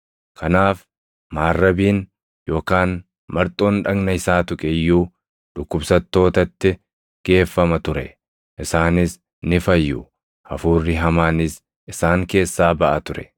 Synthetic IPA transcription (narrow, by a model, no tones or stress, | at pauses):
kʰɐnaːf | maːrːɐbiːn | jo̞ːkaːn | mɐɾt̪ʼo̞ːnᶑɐɡnɐɪsaːt̪ʊkʼɛjːuː | ᶑʊkːʊbsɐt̪ːo̞ːt̪ɐt̪ːɪ | ɡ̥e̞ːfːɐmɐt̪ʊɾɛ | ʔɪsaːnɪs | nɪfɐjːʊ | ɐfuːrːɪɦɐmaːnɪs | ʔɪsaːŋke̞ːsːaːbɐʔɐt̪ʊɾɛ̥